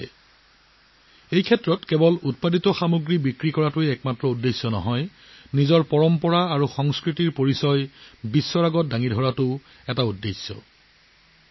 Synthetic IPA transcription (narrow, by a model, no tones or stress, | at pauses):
ejkʰɛtɹɔtkɛbɔlut̚paditɔxamuɡɹibikɹikɔɹatʊjɛkmatɹɔudːejsjɔnɔ̰ɦɔj | nizɔɹpɔɹɔmpɔɹaːɹuxɔŋskɹitiɹpoɹisɔjbisːɔɹaɡɔt̚daŋidʱɔɹatʊ | ɛtaudːejsːɔ̰